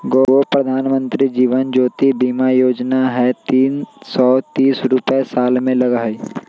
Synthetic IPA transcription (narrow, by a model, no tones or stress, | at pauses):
ɡooːpɾəd̪ʱaːnmə̃nt̪ɾid͡ʒiːʋənd͡ʒoːt̪ibiːmajoːd͡ʒnaɦɛt̪iːnsɔːt̪iːsɾʊpesaːlmẽlɐɡaːi